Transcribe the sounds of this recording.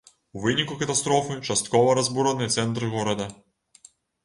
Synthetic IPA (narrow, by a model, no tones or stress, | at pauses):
uʋɪnʲikukɐt̪ɐst̪ɾɔfɨt͡ʃɐst̪kɔʋɐɾɐzbuɾɐnɨjt̪sɛnt̪ɾɨɣɔɾɐd̪ɐ